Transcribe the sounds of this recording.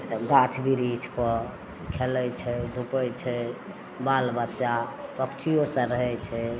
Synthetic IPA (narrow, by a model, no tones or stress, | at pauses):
ɡaʈʰbiɾit͡ʃʰpɔ | kʰelɛjt͡ʃʰɛd̪ʱupət͡ʃʰɛ | balbətːʃapəkt͡ʃʰijosə̃ɾəɦɛt͡ʃʰɛ